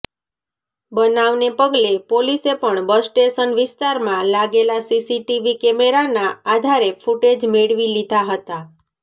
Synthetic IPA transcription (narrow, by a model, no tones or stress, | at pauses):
bənaʋnepəɡlepolisepəɳbəsʈeʃənʋɪst̪aɾmãlaɡelasisiʈiʋikɛmeɾanaad̪ʱaɾefuʈed͡ʒmeɭʋilid̪ʱaɦət̪a